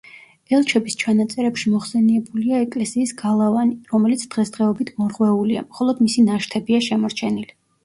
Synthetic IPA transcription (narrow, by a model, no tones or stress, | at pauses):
ɛlˠt͡ʃʰɛbist͡ʃʰanat̪sʼɛɾɛpʃimɔχsɛniɛbuliaɛkʼlɛsiːsɡ̥alˠavaniɾɔmɛlit̪sʰd̪̥ʁɛsd̪ʁɛɔbit̪ʰmɔɾʁwɛulia̰mχɔlˠɔd̪misinaʃt̪ʰɛbiaʃɛmɔɾt͡ʃʰɛnili